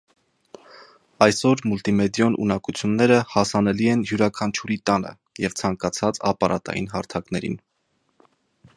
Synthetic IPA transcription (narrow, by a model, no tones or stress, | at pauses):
ɑjsɔɾmult̪imɛd̪jɔnʔṵnɑkut͡sʰjunːɛɾəhɑsɑnɛliɛnjuɾɑkʰɑnt͡ʃʰuɾit̪ɑnə̰ | jɛvt͡sʰɑŋkɑt͡sʰɑt͡sɑ̰pɑɾʔɑt̪ɑ̰jḭnɦɑɾt̪ʰɑknɛɾḭn